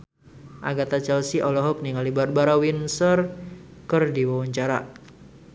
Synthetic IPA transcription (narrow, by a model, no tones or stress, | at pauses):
ʔa̰ɡat̪at͡ʃɛlsiʔɔlɔɦɔk̚niŋalibat̪̚baɾawinsərkɨrdiwawaɲt͡ʃaɾa